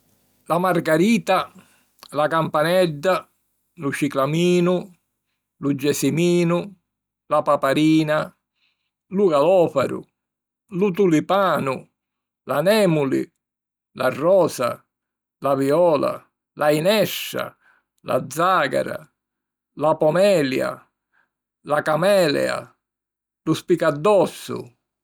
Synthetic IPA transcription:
lamarɡaɾiːt̪a | lakampanɛd̪ːa | lut͡ʃiklamiːnʊ | lud͡ʒːɛsimiːnʊ | lapapaɾiːna | luɣalɔːfaɾʊ̰ | lut̪ulipaːnʊ | lanɛːmulḭ | larːɔːsa̰ | laviɔːla̰ | lʔainɛʃːa̰ | la̰d̪zːaːɡa̰ɾa̰ | lapɔmɛːlja̰ | lakamɛːlɛ̰a̰ | luspikad̪ːɔsːʊ̰

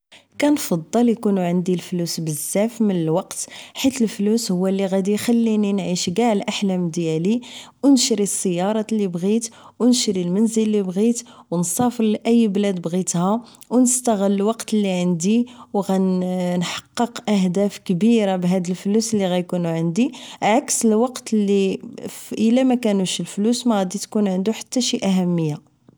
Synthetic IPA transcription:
kænfɑd̪ˤːɑljkunuʕənd̪ilflusbəzːæfmənəlwɑqt̪ħit̪əlflushʊwːælːiɣæd̪ixælːininʕiʃɡaʕlʔaħlæmd̪jæli | wnʃɾisˤːəjːɑɾˤɑlibɣit̪ | wnʃɾilmənzəlːibɣit̪wənsˤɑfəɾlʔæjːblæd̪bɣit̪hæ | wnəst̪æɣəlːwɑqt̪lːiʕənd̪iwɣænħɑ̥qːəqʔæɦd̪æfkbiɾabɦæd̪əlflusəlːiɣæjkunuʕənd̪iʕaksəlwɑqt̪lːi | ʔəlæmækænuʃəlflusmæɣæd̪it̪kunʕənd̪uħḁt̪ːæʃiʔæɦæmːəjːa

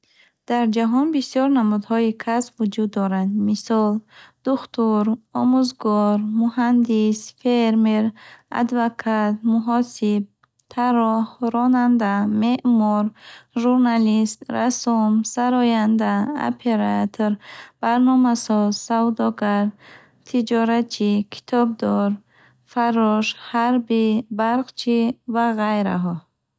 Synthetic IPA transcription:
d̪̥aɾd͡ʒaɦɔnbisjɔɾnamud̪hɔikʰasbvud͡ʒud̪ːɔɾand̪misɔld̪̥uχt̪uɾɔmuzɡɔɾmuhand̪isfeɾmeɾa̰d̪vakʰat̪̚muɦɔsib̚ | t̪ʰaɾɔhɾɔnand̪ame̞ʔmɔɾʒuɾnalist̪ɾasumsaɾɔjand̪ao̰pʰe̞ɾat̪ʰoɾb̥aɾnɔmasɔzsavd̪ɔɡaɾ | t̪ʰid͡ʒɔɾat͡ʃʰikʰi̥t̪ʰɔb̚d̪ɔɾ | faɾːɔʃhaɾbibaɾqt͡ʃʰivaʁajɾa̰ɦɔ

